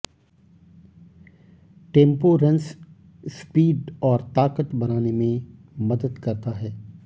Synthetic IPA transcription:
ʈẽːmpoɾɐ̃ns | spiːɖɔːɾt̪aːkət̪bɐnaːnemẽ | mɐd̪əd̪kɐɾt̪aɦɛː

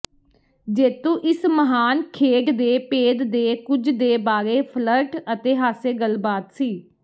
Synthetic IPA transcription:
d͡ʒeːt̪ũːʔɪsməɦaːnkʰeːɖd̪eːpeːd̪d̪eːkʊd͡ʒd̪eːbaːɾeːpʰləɾʈət̪eːɦaːseːɡəlbaːt̪siː

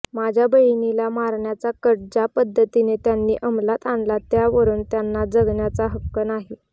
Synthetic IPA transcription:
mad͡ʑʱjabəjnilamaɾɳjat͡sakəɽd͡zapəd̪ʱːət̪inet̪janːiːʔəmlat̪anlat̪jaʋəɾuːnt̪janːad͡zəɡɳjat͡saɦəkːənaɦi

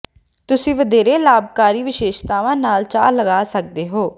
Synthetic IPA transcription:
t̪ʊsĩːʋəd̪eːɾeːlaːb̚kaːɾiːʋɪʃeːʃt̪aːʋãːnaːlt͡ʃa̰ːləɡaːsək̚d̪eːɦoː

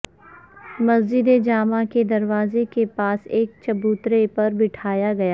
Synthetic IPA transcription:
mɐzd͡ʒɪd̪ed͡ʒaːmaked̪ɐɾʋaːzekepaːseːk̚t͡ʃɐbuːt̪ɾepɐɾbɪʈʰaːjaɡɐjaː

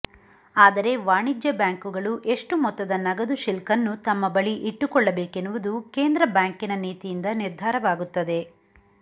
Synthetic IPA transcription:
aːd̪ɐɾe̞ʋaːɳid͡ʒjɐbjaːŋkuɡɐɭuʔe̞ʂʈumɔt̪ːɐd̪ɐnɐɡɐd̪uʃilkɐnːut̪ɐmːɐbɐɭiʔiʈːukɔɭːɐbe̞ːkenːuʋud̪uke̞ːnd̪ɾɐbjaːŋkinɐniːt̪ijind̪ɐniɾd̪ʱaːɾɐʋaːɡut̪ːɐd̪e̞

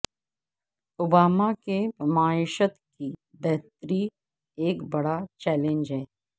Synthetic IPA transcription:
ʊbaːmakemaːɪʃət̪ki | bɛɦt̪ɾi | eːkbɐɽat͡ʃɛːlẽɲd͡ʒɦɛː

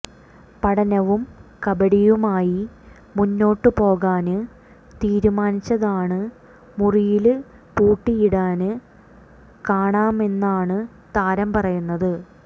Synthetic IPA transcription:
pɐɽɐnɐʋumkɐbɐɽijumaːji | munːo̞ːʈːɨpo̞ːɣaːnɨ | t̪iːɾumaːnit͡ɕːɐðaːɳɨ | murijil | puːʈːijiɽaːnɨ | kaːɳaːme̞nːaːɳɨ | t̪aːɾɐmpɐrɐjunːɐðɨ

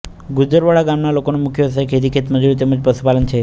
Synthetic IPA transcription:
ɡud͡ʒəɾʋaɭaɡamnalokonemukʰjəsajkʰet̪ikʰet̪mədʱuɭit̪̬emːəd͡zpəsupalənt͡ɕʰe

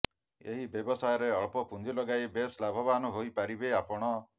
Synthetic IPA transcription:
ḛɦibjebɔsajɔɾeɔɭpɔpund͡ʒ̪ilɔɡajbeslabʱɔbanɔɦojpaɾibeapɔɽ̃ɔ

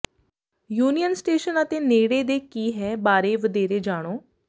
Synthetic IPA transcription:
juːnijənsʈeːʃənət̪eːneːɽeːd̪eːkiːɦɛːbaːɾeːʋəd̪eːɾeːd͡ʒaːɽ̃oː

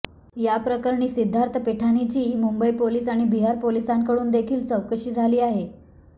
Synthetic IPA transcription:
japɾəkəɾɳiːsid̪ʱːaɾt̪ʰəpeʈʰanit͡ɕiːmumbəipoliːsaɽ̃ibiɦaɾpolisãŋkəɽuːnd̪ekʰiːlt͡səwkəɕiːd͡zʱaliːaɦe

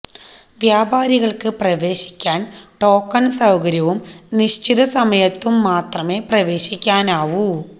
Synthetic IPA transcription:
ʋjaːbaːɾiɣɐɭkɨprɐʋe̞ːɕi̥kʲːaːnʈo̞ːkːɐnsɐwkɐɾjɐʋum | niɕt͡ɕiðɐsɐmɐjɐt̪ːumːaːt̪rɐme̞ːprɐʋe̞ːɕikʲːaːnaːʋu

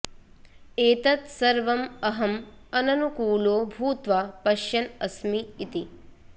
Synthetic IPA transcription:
eːt̪ɐt̪sɐɾʋɐmɐɦɐm | ɐnɐnukuːloːbʱuːt̪ʋapɐʃjɐnɐsmiːt̪i

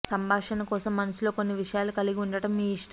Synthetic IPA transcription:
sɐmbʱaːʂɐnɐkɔːsɐmːɐnɐsulo̞ːkonːiʋiʂɐjaːlukɐliɡiuɳɖɐʈɐmːiːiʂʈ

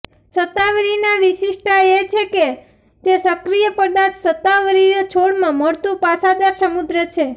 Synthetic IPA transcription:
sət̪ːaʋɾinaʋiʃiʃʈʰaet͡ʃʰeke | t̪esəkɾijəpəɾd̪ad͡ʒsət̪ːaʋəɾinat͡ʃʰoɽmãməɾt̪ũpasad̪aɾsəmud̪ɾət͡ʃʰe

